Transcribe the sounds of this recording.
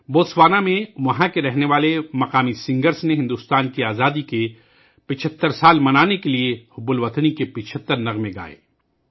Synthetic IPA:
boːsʋaːnamẽʋɐɦãkeɾɛɦneʋaːlemɐqaːmisɪ̃ŋɡəɾsneɦɪ̃nd̪uːst̪aːnkiaːzaːd̪ike | pɪt͡ʃʰət̪ːəɾsaːlmɐnaːnekeliehʊbʊlʋɐt̪nikepɪt͡ʃʰət̪ːəɾnɐɣmẽɡa̰ːḛː

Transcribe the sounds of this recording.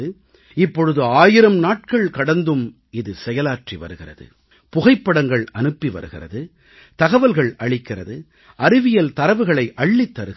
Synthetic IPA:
ɯ | ɪpːɔɻɯðɯaːjɪɾɐmnaːʈ̚kɐɭkɐɽɐnd̪ɯm | ɪðɯsɛjɐlaːʈriʋɐ̰ɾɯɣɪrɐ̰ðɯ̰ | pʊɣɐɪpːɐɽɐŋɡɐɭɐnɯpːiʋɐ̰ɾɯɣɪrɐ̰ðɯ | t̪ɐɣɐʋɐlɣɐɭɐɭɪkːɪrɐ̰ðɯ | ʔɐɾɪʋɪjɐlt̪ɐɾɐʋɯɣɐɭɐɪʔɐɭːit̪ːɐɾɯɣ

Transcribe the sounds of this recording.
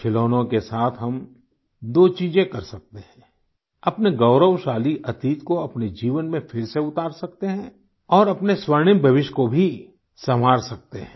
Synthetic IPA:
kʰɪloːnõkesaːt̪ʰɦɐm | d̪oːt͡ʃiːd͡ʒẽkɐɾsɐk̚t̪eɦɛ̃ː | ɐpneɡɐʊɾəʋʃaːliʔɐt̪iːt̪koɐpned͡ʒiːʋənmẽfʰɪɾseʊt̪aːɾsɐk̚t̪eɦɛ̃ː | ɔːɾɐpneswɐɾɳ̃ɪ̃mbʱɐʋɪʃkobʱi | sɐm̤aːɾsɐk̚t̪eɦɛ̰̃ː

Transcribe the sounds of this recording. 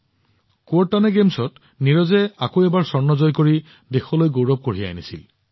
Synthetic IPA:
kɔɹtːanɛɡemsɔt | niɹɔzɛakoɛbaɹsɔɹnɔzɔjkoɹi | dexɔlojɡowɹɔb̚koɹia̰jnisḭl

